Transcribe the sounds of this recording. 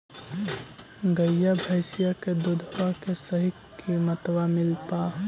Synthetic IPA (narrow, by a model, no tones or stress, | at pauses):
ɡəjabʱəɪsijaked̪ud̪ʱwakesəɦik | imət̪wamɪlpa